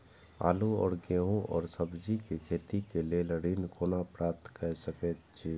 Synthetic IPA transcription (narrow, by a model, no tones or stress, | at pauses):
a̰ːluɔ̰ːɾɡeːɦõʔɔ̰ːɾsəbd͡ʒikekʰeːt̪ikeleləɽiːnkoːnapɾaːp̚t̪kəsəkɛtt͡ʃʰiː